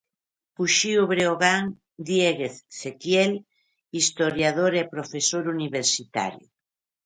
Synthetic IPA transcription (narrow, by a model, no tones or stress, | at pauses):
puʃioβɾeoɣaŋ | d̪jeɣeθːekjel | ist̪oɾjaðoɾepɾofesoɾuniβeɾsit̪a̰ɾjṵ